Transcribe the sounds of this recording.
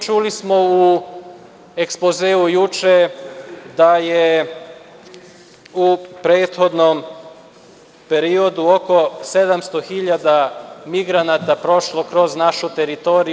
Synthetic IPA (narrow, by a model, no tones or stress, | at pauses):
t͡ʃulismo̞u | e̞kspozeːujut͡ʃe | d̪aje | upɾe̞ːt̪xo̞d̪nom | pe̞ɾio̞d̪uo̞ko̞se̞d̪amst̪o̞xiʎad̪amiɡɾanat̪apɾo̞ʃlo̞kɾo̞znaʃut̪e̞ɾit̪o̞ɾi